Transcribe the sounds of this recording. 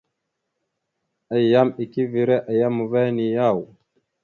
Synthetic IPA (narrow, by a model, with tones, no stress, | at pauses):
a˨ja˦mi˨ki˦vi˨ɾe˦ʔa˨ja˦mːu˨va˦ni˨ja˦˨w